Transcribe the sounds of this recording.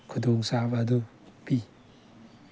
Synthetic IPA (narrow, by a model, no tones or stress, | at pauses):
kʰudɔŋsabadu | pi